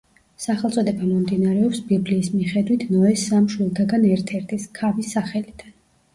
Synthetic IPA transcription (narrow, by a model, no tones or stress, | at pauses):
saχɛlˠt̪sʼɔd̪ɛbamɔmd̪inaɾɛɔpsbibliːsmiχɛd̪wit̪ʰnɔɛsamʃwilˠt̪ʰaɡanɛɾt̪ʰɛɾt̪ʰiskʰavisːaχɛlid̪̥an